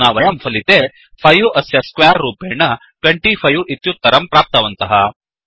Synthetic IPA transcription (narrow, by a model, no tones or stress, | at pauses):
naːʋɐjɐmfʰɐlit̪e | pʰɐjuʔɐsjɐskʋaːɾːuːpeːɳɐ | kɐɳʈifʰɐjuʔit̪jut̪ːɐɾɐmpɾaːp̚t̪ɐʋɐnt̪ɐɦɐ